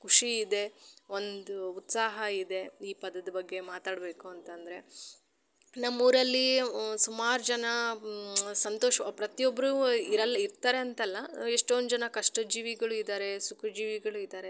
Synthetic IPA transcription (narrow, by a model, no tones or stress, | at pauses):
kʰuʂiːd̪e̞o̞nd̪uut̪saːɦɐid̪e̞iːpɐd̪ɐd̪ɐbɐɡːe̞maːt̪aːɽbe̞ːkuɐnt̪ɐnd̪ɐɾe̞ | nɐmːuːɾɐlːisumaːɾud͡ʒɐnɐ | sɐnt̪oːʂɐpɾɐt̪ijobːɐɾuiɾɐlɐiɾt̪aːɾe̞ɐnt̪ɐlːɐeʂʈond̪ud͡ʒɐnɐkɐʂʈɐd͡ʒiːʋiɡɐɭuid̪aːɾe̞sukʰɐd͡ʒiːʋiɡɐɭuid̪aːɾe̞